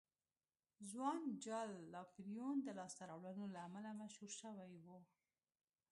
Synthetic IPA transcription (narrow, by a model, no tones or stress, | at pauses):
zwɑnd͡ʒɑlːɑkɾijund̪əlɑst̪aɾawlanolaːmalamaʃhuɾʃəwajwu